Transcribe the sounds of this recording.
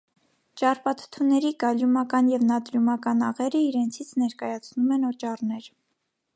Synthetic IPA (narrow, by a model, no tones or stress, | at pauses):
t͡ʃɑrpɑt̪ʰə̥t̪ʰunɛɾikɑljumɑkɑnjɛvnɑt̪ɾumɑkɑnɑʁɛɾəiɾɛnt͡sʰit͡sʰnɛɾkɑjɑt͡sʰnumɛnɔt͡ʃɑrnɛɾ